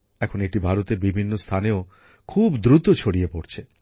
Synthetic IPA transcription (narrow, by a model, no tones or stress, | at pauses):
ɛkʰoneʈibʱaɾot̪ebibʱinːost̪ʰanio | kʰubd̪ɾut̪ot͡ʃʰoɽiepoɽt͡ɕʰe